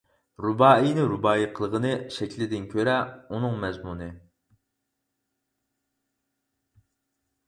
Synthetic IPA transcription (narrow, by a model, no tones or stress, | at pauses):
ɾubɑːinɨɾubɑːiqʰəlˠəʁənɨʃɛkʲlɪd̪ɪnkʲʰøɾɛunɨŋmɛzmunɨ